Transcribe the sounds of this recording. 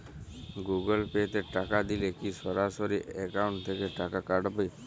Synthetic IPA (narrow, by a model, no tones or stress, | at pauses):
ɡuɡolpet̪eʈakad̪ilekiʃɔɾasoɾiɛkauɳʈt̪ʰekeʈakakaɖpej